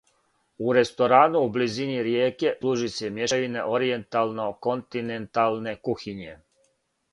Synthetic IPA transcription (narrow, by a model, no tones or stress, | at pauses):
uɾe̞st̪o̞ɾaːnuubliziniɾjeːke̞luʒiseemje̞aʋinḛʔo̞ɾie̞nt̪alˠnoko̞nt̪inent̪alˠne̞kuxiɲe̞